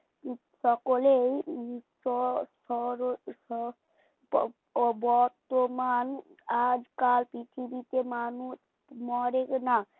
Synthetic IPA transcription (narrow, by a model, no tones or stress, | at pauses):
sɔkolejsɔsɔɾɔ | bɔɾt̪oman | ad͡ʒkalpit̪ʰibit̪emanus | mɔɾekna